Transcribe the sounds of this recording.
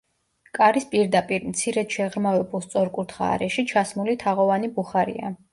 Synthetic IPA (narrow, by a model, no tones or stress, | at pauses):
kʼaɾispʼiɾd̪apʼiɾmt̪sʰiɾɛd̪ʃɛʁɾmavɛbulˠst̪sʼɔɾkʼuɾt̪ʰχa̰ːɾɛʃit͡ʃʰasmulit̪ʰaʁɔvanibuχaɾḭa̰